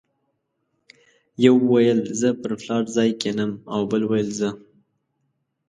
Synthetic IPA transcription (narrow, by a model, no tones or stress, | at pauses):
jawwajəlzəpəɾflɑɾzɑjkenəmawbəlwajəlzə